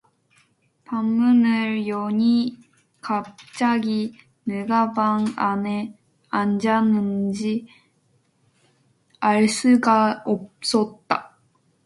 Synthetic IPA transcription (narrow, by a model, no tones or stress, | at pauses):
pamːunɯɾjoɲi | kap̚t͡ɕ͈aɡi | nɯɡabaŋane | and͡ʑanɯnd͡ʑi | aɭsɯɡaop̚s͈ʌt̚t͈a